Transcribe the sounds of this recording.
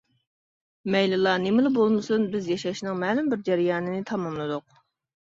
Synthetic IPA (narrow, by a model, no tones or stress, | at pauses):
mɛjlɨlˠɑnemɪlɪbolˠmɨsunbɪzjɑʃɛʃnɨŋmɛːlɪmbɪɾd͡ʒæɾɪjɑːnɨnɪt̪ʰɑmɑmlˠɨd̪ʊq̚